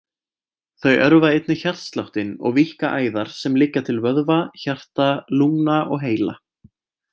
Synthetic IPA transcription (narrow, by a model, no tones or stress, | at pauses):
θœɥʔœɾvaejt̪nɪçar̥t̪st̪lawht̪ɪnɔ̰ɣvihkaʔaːjðaɾ̥sɛmlɪːcːat̪ʰɪlvœðvaçar̥t̪alumnaʔɔɣɦeːjla